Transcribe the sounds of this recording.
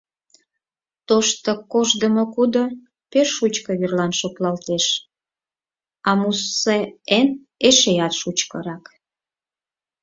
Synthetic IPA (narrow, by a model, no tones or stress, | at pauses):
t̪oʃt̪əkoʒd̪əmokud̪o | peʃut͡ɕkəβirlɑnʃoklɑlt̪eʃ | ɑmusːeen | eʃejɑt̪ʃut͡ɕkəɾɑk